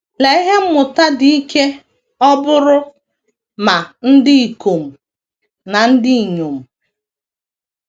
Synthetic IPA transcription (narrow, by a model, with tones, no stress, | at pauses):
le˨i˦ɦe˦m̩˦mʊ˨ta˦di˨i˦ke˦ | ɔ˦bʊ˦ɾʊ˦ | ma˨n̩˦dɪ˦i˨ko˨m̩˨ | na˨n̩˦dɪ˦i˨ɲo˨m̩˨